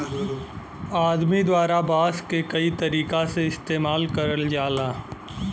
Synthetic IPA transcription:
aːd̪mid̪waːɾabaːskekɐit̪ɐɾiːkaseɪst̪eːmaːlkɐɾəld͡ʒaːlaː

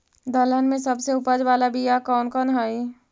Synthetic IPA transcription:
d̪ələnmẽsɐbseʊpəd͡ʒʋaːlabijakɔːnkɔːnɦaːi

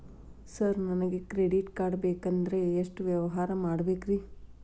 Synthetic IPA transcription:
sɐɾnɐnɐɡekɾeɖiʈkaːɖbeːkɐnd̪ɐɾeːʂʈʋjɐʋɐɦaːɾɐmaːɽɐbeːkɾi

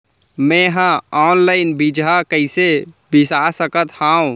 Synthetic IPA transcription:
mɛ̃ɦãɔːnlaɪnbid͡ʒɦakəɪsebisasəkət̪hãõ

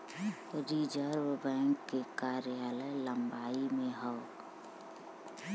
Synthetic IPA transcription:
ɾiːd͡ʒəɾwbɛ̃ːŋkːekaːɾjaːlələ̃mbaːimẽɦɔː

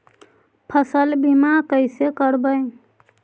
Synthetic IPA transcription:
pʰəsəlbimakəɪsekəɾbəj

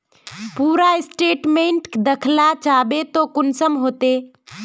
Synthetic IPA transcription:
puːɾaɪsʈeːʈmẽːɳʈkd̪əkʰlat͡ʃaːbet̪okʊnsəmɦoːt̪eː

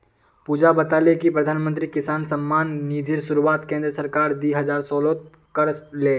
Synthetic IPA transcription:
puːd͡ʒabɐt̪aːlekipɾɐd̪ʱaːnmə̃nt̪ɾikɪsaːnsɐmːaːnːiːd̪ʱiɾsʊɾuaːt̪kẽːnd̪ɾəsɐɾkaːɾd̪iɦɐzaːɾsɔːlo | kɐɾleː

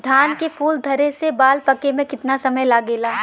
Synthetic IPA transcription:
d̪ʱaːnkefʰuːld̪ʱɐɾesebaːlpɐkemẽkɪt̪nasɐməjlaːɡeːlaː

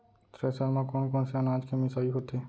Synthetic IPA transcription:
t̪ɾesəlmãkɔnkɔːnsanaːd͡ʒkemɪsaːiɦot̪e

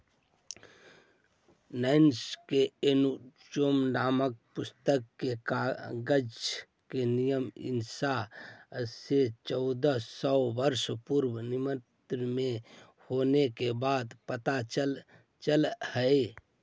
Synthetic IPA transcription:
nənskeenut͡ʃomnamək̚pust̪əkːekaɡəd͡ʒ | kenijəmḭnsa | set͡ʃɔʊd̪əsɔbəɾspuɾbənimət̪ɾme | honekebad̪pət̪aəl | t͡ʃəlhəe

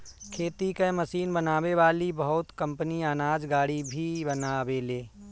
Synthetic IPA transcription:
kʰeːt̪ikeməsiːnbɐnaːweʋaːlibɐɦʊt̪kɐ̃mpəniaːnaːd͡ʒɡaːɽibʱibɐnaːweleː

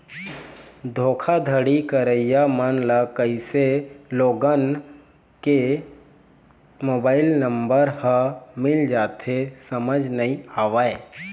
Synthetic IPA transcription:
d̪ʱoːkʰad̪ʱəɽikəɾəɪjamənlakəiseloːɡən | ke | moːbaːɪlnə̃mbəɾhəmɪld͡ʒaːt̪ʰesəməd͡ʒnəĩaːʋae

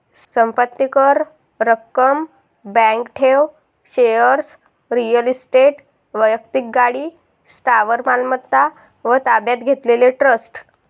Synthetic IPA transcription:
səmpət̪ːikəɾ | ɾəkːəm | bɛ̃ŋkʈʰeʋ | ɕejəɾs | ɾijəlisʈeʈ | ʋəjək̚t̪ik̚ɡaɽi | st̪ʰaʋəɾmalmət̪ːa | ʋət̪abjat̪ɡʱet̪leleʈɾəsʈ

